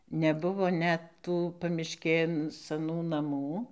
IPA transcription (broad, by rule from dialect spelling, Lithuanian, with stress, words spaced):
nʲɛˈbʊʋoː ˈnʲɛt ˈtuː pɐmʲɪʃʲˈkʲeːn sɐˈnuː nɐˈmuː